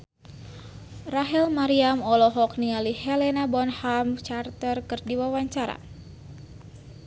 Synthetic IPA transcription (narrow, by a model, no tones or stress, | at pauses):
raɦɛlmaɾiamɔlɔɦɔk̚niŋalihɛlɛnabɔnhamt͡ʃart̪ərkɨrdiwawaɲt͡ʃaɾa̰